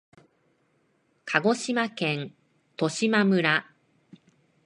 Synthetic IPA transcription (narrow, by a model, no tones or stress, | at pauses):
kʰaɡo̞ɕimakẽ̞n | t̪o̞ɕimamɯ̟ɾa